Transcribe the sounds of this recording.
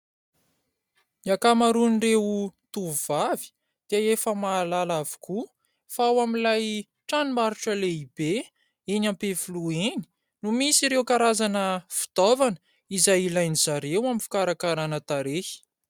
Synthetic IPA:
iakamaɾunirewut̪uvuvavi̥ | d̪̥iaefəmaːlalavi̥ku | faawamilaj | ʈ͡ʂanimaɾuʈ͡ʂəleibe | enampefulueni̥ | numisiɾewkaɾazanəfi̥d̪̥ovanə̥ | izajilajnizaɾewamifu̥kaɾakaɾanət̪aɾehi̥

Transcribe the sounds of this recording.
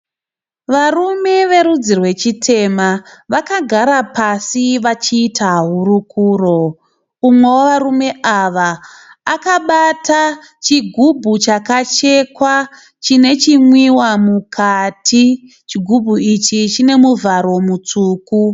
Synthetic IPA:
ʋarume̞ʋe̞ɾud͡zirwe̞t͡ʃitʰe̞maʋakaɡʱaɾapasiʋat͡ʃiːtʰaɦuɾukuːro̞ | umwe̞woʋarume̞ʔaʋaː | kaɓata | t͡ʃiɡʱubʱut͡ʃakat͡ʃe̞kwa | t͡ʃine̞t͡ʃimwiwamukʰatʰi | t͡ʃiɡʱubʱuit͡ʃit͡ʃine̞muvʱaɾo̞mut͡suːku

